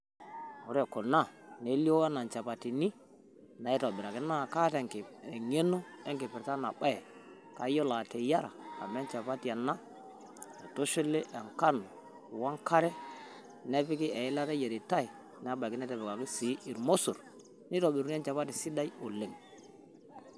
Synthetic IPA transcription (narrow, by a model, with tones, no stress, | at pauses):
o˨ɾe˨ko˨lna˦˨ne˦li˦o˦wa˦na˨nt͡ʃa˨pa˨ti˨ni˦ | na˨i˦to˨bi˨ɾa˨ki˦na˦˨ka˦te˨ke˦no˦e˦ŋki˨pi˨ɾta˦na˨ɓa˦jɛ˨ | ka˨˦jo˦la˨te˨ja˦ɾa̰˨ka̰˨me˦nt͡ʃa˨pa˦ti˨ja˨na˦ | e˨to˦ʃu˦le˦ʔɛ˨ŋka˦no˨ | wa˦ŋka˦ɾɛ˦ | ne˦pi˦ki˦e˨i˦la˦te˦je˨ɾi˨ta˦i˨ | n˨˦a˦ba˨ki˦nɛ˦tɛ˨bɛ˨ka˨ki˦si˨˦ʔi˨ɾmo˦su˨ɾ | ni˦to˨bi˨ɾɛ˦nt͡ʃa˨pa˦ti˨si˦da˦i˦o˨le˨ŋ